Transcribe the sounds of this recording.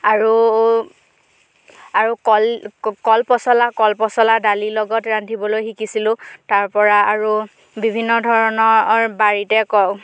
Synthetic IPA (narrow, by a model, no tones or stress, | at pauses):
aɹu | aɹukɔlkɔlpɔsɔlakɔlpɔsɔladalilɔɡɔtɹantʰibɔlojxikisilʊ̃taɹpɔɹaaɹu | bibʱinːɔdʱɔɹɔnɔɹbaɹitɛkɔw